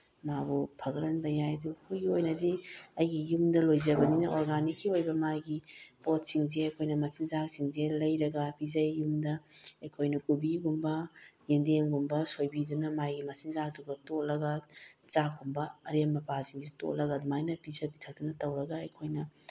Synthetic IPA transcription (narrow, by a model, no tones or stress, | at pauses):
mabupʰɐɡɐɾɐnbɐjajduhujɡiojnɐdiɐjɡijumdɐlojzɐbɐninɐʔoɾɡanikʰːiojbɐmajɡipot̚siŋzeɐjkʰojnɐmɐsiŋzak̚siŋzelɐjɾɐɡɐpizɐjːumdɐɐjkʰojnɐkubiɡumbɐɡendemɡumbɐsojbidunɐmajɡimɐsiŋzak̚duɡɐtolɐɡɐt͡ʃak̚umbɐɐɾemːɐpasiŋzeto̰lɐɡɐdumajnɐpizɐbitʰɐk̚dunɐtɐwɾɐɡɐːjkʰojnɐ